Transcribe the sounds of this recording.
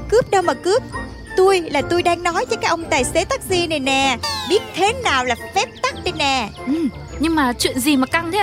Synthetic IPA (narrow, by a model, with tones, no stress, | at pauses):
kɨ˦˥əp̚ɗə˧wmaː˨˩kɨ˦˥əp̚ | t̪u˧əjlaː˨˩t̪u˧jɗaː˧ŋnɔ˨˦jvəː˨˦kaː˦˥k̚ʔə˧wŋ͡mt̪aː˨˩jse˨˦t̪a˦˥k̚zi˧nɛ˨˩nɛː˨˩ɓi˦˥ət̚t̪ʰe˨˦naː˨˩wlaː˨˩fɛ˦˥p̚t̪a˦˥k̚ɗe˧nːɛː˨˩ʔɨ˨˩m | ɲɨ˧ŋmaː˨˩t͡ɕwḭ˧˨ənzi˨˩maː˨˩ka˧ŋt̪ʰe˨˦